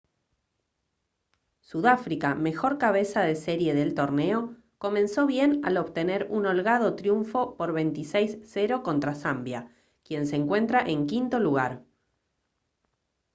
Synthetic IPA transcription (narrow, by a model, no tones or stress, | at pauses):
suðafɾikame̞xo̞ɾkaβ̞e̞sað̞e̞seɾje̞ðe̞lt̪o̞ɾne̞o̞ | ko̞mẽ̞nso̞βje̞na̰lo̞βt̪e̞ne̞ɾuno̞lɣað̞o̞t̪ɾjuɱfo̞po̞ɾβe̞jnt̪isejsːe̞ɾo̞ko̞nt̪ɾasambja | kje̞nseːŋkwe̞nt̪ɾaʔe̞ŋkint̪o̞luɣaɾ